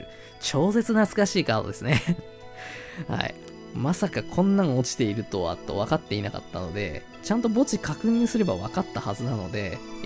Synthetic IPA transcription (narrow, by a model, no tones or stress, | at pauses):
t͡ɕo̞ːse̞t͡sɨnat͡sɨ̥kaɕiːkaːd̪od̪e̞sɨne̞ | ha̰ḭ | masakakʰõ̞nːãŋot͡ɕi̥t̪e̞iɾɯ̟t̪o̞a̰t̪ːo̞̰βakat̪ːe̞inaka̰t̪ːa̰no̞d̪e̞̰ | t͡ɕãnt̪o̞bo̞t͡ɕikʰakɯ̟ɲ̟ĩɰ̃sɨɾe̞baβakat̪ːahazɨnano̞d̪e̞